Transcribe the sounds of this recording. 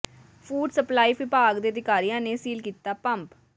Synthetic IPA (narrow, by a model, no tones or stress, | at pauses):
fʰuːɖsəplaːiːʋɪpaːɡd̪eːəd̪ɪkaːɾijãːneːsiːlkiːt̪aːpəmp